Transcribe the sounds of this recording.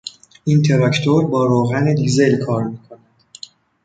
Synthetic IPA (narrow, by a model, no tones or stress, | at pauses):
int̪ʰe̞ɾɒct̪ʰo̞ɾbɒːɾoːɣæned̪ize̞lkʰɒːɾmiːkʰonæd̪̥